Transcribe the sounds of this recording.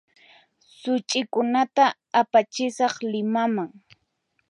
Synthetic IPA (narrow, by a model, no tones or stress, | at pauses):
sʊt͡ʃʼɪkʊnat̪aː | pat͡ʃɪsɑχlɪmamaŋ